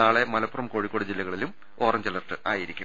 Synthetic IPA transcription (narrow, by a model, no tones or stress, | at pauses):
aːɭe̞mɐlɐpːurɐmkoːɻikʲːo̞ːɽid͡ʑilːɐɣɐɭilum | o̞ːrɐmt͡ɕɐlɐrʈːɨʔaːjiɾikʲːum